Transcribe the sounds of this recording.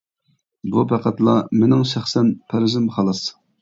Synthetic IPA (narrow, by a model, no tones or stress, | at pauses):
bupʰæqæt̪lˠɑmenɪŋʃæχsɛnpʰæɾɪzɪmχɑlˠɑs